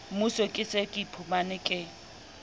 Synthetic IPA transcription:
musɔkʼɪsekʼipʰumanɪkʼɪ

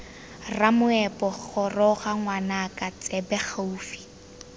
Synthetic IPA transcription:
ramʊɛpʼɔk͡xɔrɔɣaŋwanakʼat͡sʼɛbɛχaufi̥

